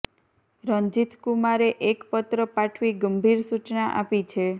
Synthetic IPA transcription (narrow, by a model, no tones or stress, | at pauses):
ɾəɲd͡ʒit̪ʰkumaɾeʔekpət̪ɾəpaʈʰʋiɡəmbʱiɾsut͡ʃnaʔa̰pit͡ʃʰe